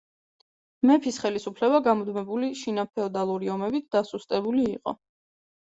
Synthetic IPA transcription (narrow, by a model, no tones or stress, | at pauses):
mɛpʰisχɛlisupʰlɛbaɡamɔd̪mɛbuliʃinapʰɛɔd̪alˠuɾiɔmɛbit̪ʰd̪̥asust̪ʼɛbuliːqʼɔ̰